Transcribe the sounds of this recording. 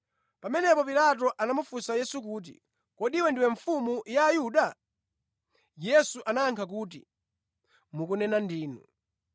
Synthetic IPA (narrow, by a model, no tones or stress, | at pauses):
pamɛnɛpɔpilat̬ɔʔanamufusajɛsuk̬uːt̬ḭ | kɔɗiwɛndiwɛɱfumujaːjuɗa | jɛsuʔanaaŋkʰak̬uːt̬ḭ | mukunɛnandiːnṵ